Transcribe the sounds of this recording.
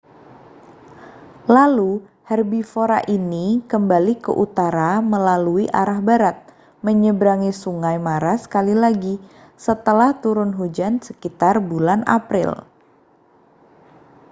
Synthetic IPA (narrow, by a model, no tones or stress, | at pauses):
lalu | hɛrbifoɾaʔinikəmbalikə̰ʔut̪aɾaməlaluiʔaɾahbaɾat̪̚ | məɲəbɾaŋisuŋajmaɾasə̥kalilaɡi | sət̪əlaht̪uɾʊnɦud͡ʒansəkit̪arbulana̰pɾɪ̰l